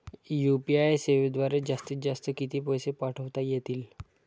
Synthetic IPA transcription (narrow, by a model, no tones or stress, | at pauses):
jupiajseʋed̪ʋaɾed͡zast̪iːt̪̚d͡zast̪əkit̪iːpɔjsepaʈʰəʋt̪ajet̪iːl